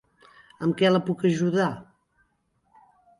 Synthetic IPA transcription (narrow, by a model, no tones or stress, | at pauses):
əmkɛləpukəʒuða